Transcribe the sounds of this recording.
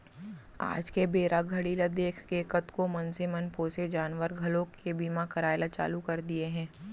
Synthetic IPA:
a̰ːd͡ʒkebeːɾʔaɡʱɐɽiːlad̪eːkʰkekət̪komɐnsemɐnpoːsed͡ʒaːnʋəɾɡʱɐlõkebiːmakɐɾaːjlat͡ʃa̰ːlukɐɾd̪ieɦɛ̃ː

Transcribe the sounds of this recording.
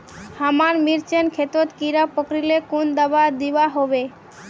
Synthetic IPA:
hamaɾmiɾt͡ɕʰenkʰet̪ot̪kiɾapokɾilekund̪abad̪ibaɦobe

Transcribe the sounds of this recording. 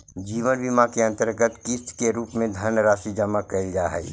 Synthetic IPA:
d͡ʒiːʋənbimakeə̃nt̪əɾɡət̪kɪst̪ʰkeɾuːpmẽd̪ʱənɾaːsid͡ʒəmakəid͡ʒaːɦɛ̰ː

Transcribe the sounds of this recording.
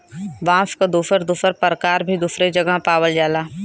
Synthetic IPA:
ʋãːskad̪uːsəɾd̪uːsəɾpəɾkaːɾbʱid̪uːsɾed͡ʒɐɡəɦpaːwəld͡ʒaːlaː

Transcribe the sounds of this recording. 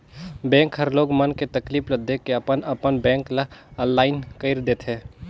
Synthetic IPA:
bɛ̃ːŋkɦəɾloːɡmənket̪ɐkliːpləd̪ːekeɐpənɐpənbɛ̃ːŋklaə̃nlaːɪnkəɪɾd̪eːt̪ʰɦẽː

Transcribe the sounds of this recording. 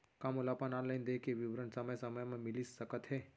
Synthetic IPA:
kamulapananlajnd̪ekeʋiʋɾəɳsəməjsəməjmãmilisːəkət̪ɦe

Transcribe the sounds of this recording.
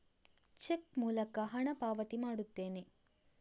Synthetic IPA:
t͡ʃekmuːlɐkɐɦɐɳɐpaːʋɐt̪imaːɽut̪ːeːni

